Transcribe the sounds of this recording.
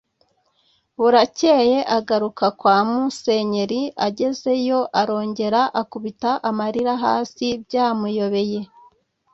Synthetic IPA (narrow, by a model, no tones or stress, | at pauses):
βuɾace̞ːje̞ʔaɡaɾukakwaːmuse̞ɲe̞ɾiaɟe̞ze̞jo̞ʔaɾo̞ːɲɟe̞ɾaʔakuβitaʔamaɾiɾaɦa̰ːsibjaːmujo̞βe̞je̞